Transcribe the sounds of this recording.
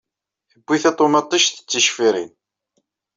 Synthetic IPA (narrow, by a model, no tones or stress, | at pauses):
θəbːiθæt̪ˤomɑt̪ˤːiʃθə̥t͡sːəʃfiɾḭn